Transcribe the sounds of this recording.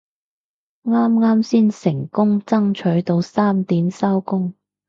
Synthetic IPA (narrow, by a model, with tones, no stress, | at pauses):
ŋaː˥mŋaː˥msiː˥nsɪ˨˩ŋkʊ˥ŋt͡sɐ˥ŋt͡ʃʰɵ˨˥ɥt̪o˧wsaː˥mt̪iː˨˥msɐ˥wkʊ˥ŋ